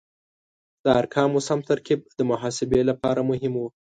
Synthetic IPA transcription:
d̪̥əaɾkʰɑmʊsamt̪aɾkib̚d̪əmʊɦɑsɪbelapɑɾamʊɦɪmwu

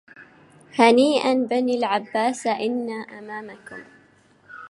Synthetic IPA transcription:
haniːʔanbaniːlʕabːaːsʔɪnːaːʔamaːmakʊm

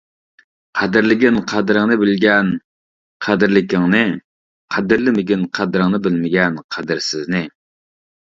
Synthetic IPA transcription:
qʰæd̪ɪɾlɪɡʲɪnqʰæd̪ɾɨŋnɨbɪlɡʲɛn | qʰæd̪ɪɾlɪkʲɪŋnɨ | qʰæd̪ɨɾlɪmɪɡʲɪnqʰæd̪ɾɨŋnɨbɪlmɪɡʲɛnqʰæd̪ɪɾsɪznɪ

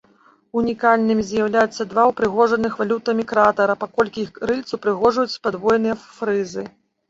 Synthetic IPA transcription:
unʲikalʲnɨmʲizʲjawlʲajut̪sːɐd̪vawpɾɨɣɔʐɐnɨxvalʲut̪ɐmʲikɾat̪ɐɾɐpakɔlʲkʲixɾɨlʲt̪supɾɨɣɔʐujut͡sʲpad̪vɔjnɨjɐfɾɨzɨ

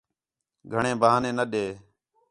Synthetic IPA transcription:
ɡʱəɳẽːbəaːnẽːnəɗeː

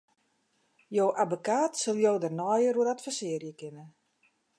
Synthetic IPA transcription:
jowʔabokaːtsəlˠjoːdərnɔjəruəatfəsɪərjəkɪnə

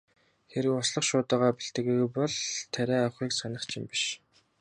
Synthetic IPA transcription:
xeɾɘ̆wɔsɮə̆χʃʊːt̪ə̆ːʁaːpiɬt̪ɘ̆ɣeɣpɔɮt̪ʰæɾʲæːawχiːksanə̆χt͡ɕʰɪ̆mpiʃ

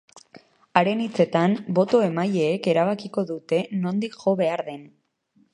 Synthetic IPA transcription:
aɾe̞nit͡se̞t̪ambo̞t̪o̞e̞maje̞ːke̞ɾaβ̞akiko̞ðut̪e̞no̞nd̪ikʝo̞βe̞aɾðe̞n

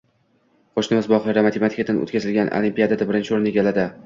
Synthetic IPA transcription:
qʰoʃnɪmɪzbɒχˠɪɾamat̪ʰemat̪ʰi̥kʲad̪ano̰t̪kʲʰazɪlɡʲanʔo̰limpijad̪ad̪abɪɾɪnt͡ʃʰɪoɾneɡʲalad̪ɪ

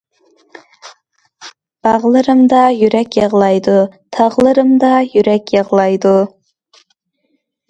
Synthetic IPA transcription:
b̥ɑʁlˠɨɾɨmd̪ɑjyɾɛkʲjɑʁlˠɑjd̪ut̪ʰɑʁlˠɨɾɨmd̪ɑjyɾɛkʲjɑʁlˠɑjd̪u

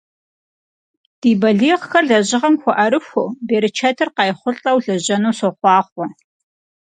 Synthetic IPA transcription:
d̥iːbɐɮiːʁxɐrɮɐʑɪʁɐmxʷɔʔɐɾɨxʷobeːɾɨt͡ʃʰɐtʰɨrqɑjχʷʊɬʼɐwɮɐʑɐnuːsoχʷɑːχʷɔ

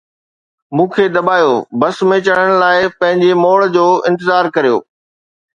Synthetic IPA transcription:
mũːkʰed̪ɐbaːjobɐsmẽt͡ɕɐɽ̤əɽ̃laːɪpɐ̃ɦɪ̃ɲd͡ʑemoːɭd͡ʑoːɪ̃nt̪̬ɪzaːɾkɐɾijo̰ː

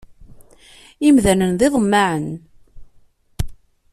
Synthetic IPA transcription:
imðænənðˤeðˤəmːaʕən

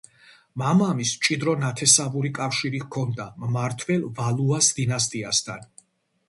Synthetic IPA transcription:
mamamist͡ʃʼid̪ɾɔnat̪ʰɛsavuɾikʼafʃiɾikʰɔnd̪ammaɾt̪ʰvɛlvalˠuasd̪inast̪ʼiast̪ʰan

